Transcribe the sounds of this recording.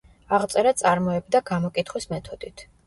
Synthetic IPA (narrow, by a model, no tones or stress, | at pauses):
aʁt̪sʼɛɾat̪sʼaɾmɔɛbd̪aɡamɔkʼit̪ʰχwismɛt̪ʰɔd̪it̪ʰ